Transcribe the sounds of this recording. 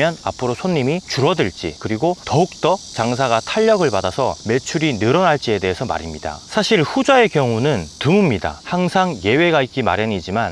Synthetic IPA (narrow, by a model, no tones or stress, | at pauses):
jʌna̰pʰɯɾosʰonːimit͡ɕuɾʌdɯɭt͡ɕ͈ḭkɯɾiɡotʌuk̚t͈ʌt͡ɕaŋs̬ʰaɡatʰaʎːʌɡɯɭpadasʰʌ̰me̞t͡ɕʰuɾinɯɾʌnaɭt͡ɕ͈ie̞de̞ɦesʰʌma̰ɾimɲida̰sʰaɕʰiɭɸud͡ʑae̞kjʌŋunɯntɯmumɲida̰haŋsʰaŋje̞we̞ɡait̚k͈ima̰ɾjeɲid͡ʑiman